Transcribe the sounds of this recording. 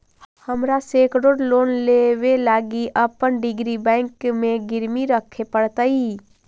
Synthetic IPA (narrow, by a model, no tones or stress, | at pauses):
həmɾaseːkɾoːɖloːnleʋelaːɡiʔəpːənɖɪɡɾibɛ̃ːŋkmẽɡɪɾmiɾəkʰːepəɽt̪ai